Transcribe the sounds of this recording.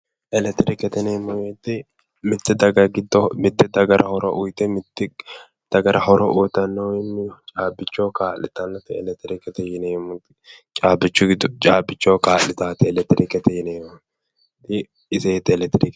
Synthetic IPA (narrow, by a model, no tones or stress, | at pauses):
ʔɛlɛt̪ːɪɾɪkɛt̪ɛneːmːɔjɛt̪ːɪ | mɪt̪ːɪd̪ɐɡɐɡɪd̪ːɔmɪt̪ːɪd̪ɐɡɐɾʔɐhɔɾɔ̰ʔʊjt̪ɛmɪt̪ːɪ | d̪̥ɐɡɐɾɐhɔɾɔʔʊːt̪ːɐnːɔwɪnːɪt͡ʃʼaːbɪt͡ʃːokaːlɪt̪ɐnːɐt̪ɪɛlɛt̪ːɪɾɪkːɛt̪ɛjɪneːmːʊt̪ɪ̥t͡ʃʼaːbɪt͡ʃːʊɡɪd̪ʊt͡ʃʼaːbːɪt͡ʃːɔːkaːlɪt̪aːt̪ɪɛlɛt̪ːɪɾɪkːɛt̪ɛjɪneːmʊ | t̪ɪ | ɪseːt̪ːɪɛlɛt̪ːɪɾɪk